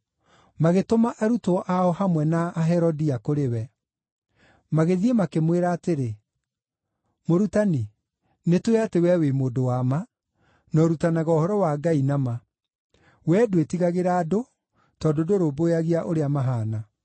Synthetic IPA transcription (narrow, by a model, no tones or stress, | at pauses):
maɣetomaʔaɾutɔʔaɔhamwɛnaːɦɛɾɔdiakoɾewɛ | maɣeðiemakemweɾaːteɾe | moɾutani | netwɛatewɛwemoːdowama | nɔɾutanaɣɔohɔɾɔwaɡainama | wɛdoetiɣaɣeɾaːdo | tɔdodoɾoːbojaɣiaʔoɾeamaɦaːna